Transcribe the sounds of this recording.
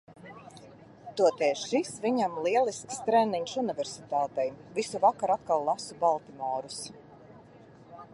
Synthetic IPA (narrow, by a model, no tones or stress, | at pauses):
t̪uɔt̪ɛːʃisvʲiɲamlˠiɛlˠiskst̪ɾɛniɲʃunivʲɛɾsit̪aːt̪ɛjvisuvakaɾat̪̚kalˠːasubalˠt̪imɔːɾus